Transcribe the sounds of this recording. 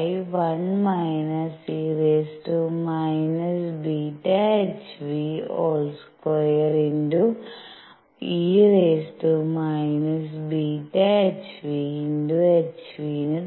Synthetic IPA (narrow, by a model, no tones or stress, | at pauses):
jʋɐnmajnɐsiːɾeːsʈumajnɐsbiːʈeet͡ʃʋiːo̰ːlskoeɾeɳɖu | iːɾeːsʈumajnɐs̬biːʈeet͡ʃʋinɖuet͡ʃʋiːni